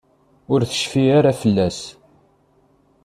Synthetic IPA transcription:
ʊɾθə̥ʃfiaɾafəlːæs

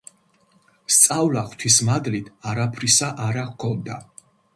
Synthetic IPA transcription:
st̪sʼavlaχt̪ʰwismad̪lit̪ʰaɾapʰɾisaʔaɾakʰɔnd̪a

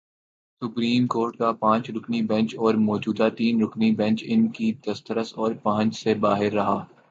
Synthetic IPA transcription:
sʊpɾiːmkoːɾʈkapãːt͡ʃɾʊknibɛ̃nt͡ʃɔːɾmɔːd͡ʒuːd̪at̪iːnɾʊknibɛ̃nt͡ʃɪnkid̪̥ɐst̪əɾəsɔːɾpãːə̃nt͡ʃsebaːɦɪɾːɐɦaː

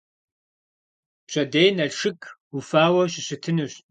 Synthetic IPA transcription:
ɕʼɐdejnɐɮʂɨkʰʼufaːwɐɕɪɕɪtʰɨnɨɕtʼ

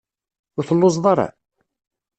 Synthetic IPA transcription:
ʊɾθəlːoz̬ðˤɑɾˤɑ̰

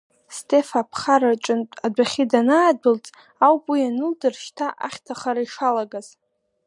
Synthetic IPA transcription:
stʰe̞fapʰχaɾart͡ʃʷʼɨntʼadʷaχʲidanaːbɨlt͡sʼ | awpʼwianɨldɨrʃtʰaʔa̰χʲtʰaχaɾaiʂalaɡaz̥

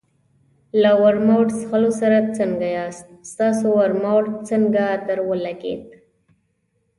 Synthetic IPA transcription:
lawaɾmawʈsxalosaɾat͡səŋɡajɑst̪̚st̪ɑsowaɾmawʈt͡səŋɡat̪əɾwəlaɡḛt̪̚

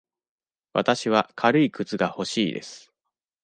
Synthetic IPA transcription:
βa̰t̪aɕiβakʰaɾɯ̟ikɯt͡sɨɡaho̞ɕiːd̪e̞̰sɨ̥

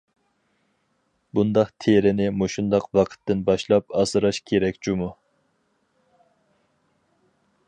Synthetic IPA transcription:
bund̪ɑqt̪ʰeɾɪnɪmoʃund̪ɑqwɑqʰə̥t̪ʰːɪnbɑʃlˠɑpɑsɨɾɑʃkʲʰeɾɛkʲt͡ʃumu

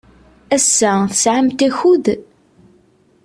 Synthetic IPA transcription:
æsːæθəsʕəmt̪æçuð

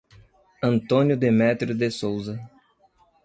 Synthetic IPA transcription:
ɐ̃nt̪õnjʊd̪emɛt̪ɾʊd̪esowzɐ

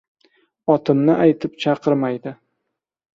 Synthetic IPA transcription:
ɒt̪ʰɪmnɪʔajt̪ʰɪpt͡ʃʰɑqɨɾmajd̪ɪ

